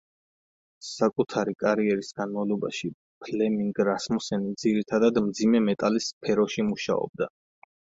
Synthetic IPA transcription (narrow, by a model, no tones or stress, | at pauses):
sakʼut̪ʰaɾikʼaɾiɛɾisɡ̥anmavlˠɔbaʃi | pʰlɛmiŋɡɾasmɔsɛnid̪ziɾit̪ʰad̪ad̪md̪zimɛmɛt̪ʼalispʰɛɾɔʃimuʃa̰ɔ̰b̚d̪a